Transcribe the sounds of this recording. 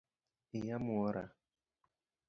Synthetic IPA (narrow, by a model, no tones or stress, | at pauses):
ijamuɔɾa̰